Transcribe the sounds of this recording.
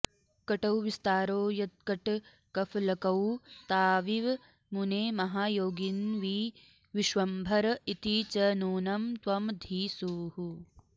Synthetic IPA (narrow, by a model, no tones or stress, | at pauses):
kɐʈɐwʋist̪aːɾoːjɐt̪̚kɐʈ | kɐflɐkɐwt̪aːʋiʋ | muneːmɐɦaːjoːɡinʋiː | ʋiʃʋɐmbʱɐɾit̪it͡ʃɐnuːnɐmt̪ʋɐmd̪ʱiːsuːɦu